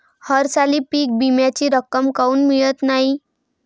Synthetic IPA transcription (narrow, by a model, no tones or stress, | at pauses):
həɾsaliːpiːk̚bimjat͡ɕiːɾəkːəmkauːnmiɭət̪naɦi